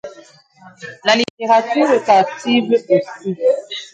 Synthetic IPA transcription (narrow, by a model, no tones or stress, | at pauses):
laliteʁatyʁekativosu